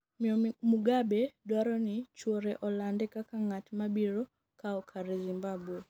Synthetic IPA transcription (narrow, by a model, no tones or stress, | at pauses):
mɔmuɡabedwaɾɔnɪt͡ʃwɔɾɛʔɔlandɛkakaŋatmabiɾɔ | kaɔkʰaɾɛzimbabwe